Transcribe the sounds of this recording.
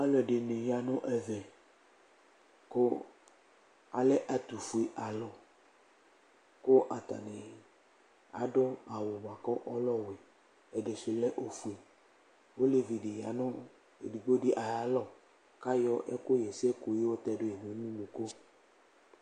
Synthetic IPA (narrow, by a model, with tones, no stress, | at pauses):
a˦lɔ˨ɖe˨nẽ˨ja˨nɔ̃˦ʔɛ˨vɛ˨ | ko˦ | a˨le˦ʔa˨t̪u˨fu˨e˨ʔa˨lɔ˨ | ko˦ʔa˨t̪a̰˨ne˨ | a̰˨ɖɔ˦a˨wo˨m˨a˨kɔ˦ʔɔ˦lɔ˦we˨ | e˨ɖe˨se˨lɛ˦ʔo˦fu˨e˨ | ho˦le˦vi˨ɖe˨ja˨nõ˦ | e˨di˨ɡ͡bo˦ɖi˦ʔa˨ja˨˦lɔ˦˨ | ka˦jɔ˦ʔɛ̰˦ko˦jɛ˨se˦ko˨je˦wo˦t̪ɛ˦ɖo˦e˨ve˨˦nũ˦lu˨ko˦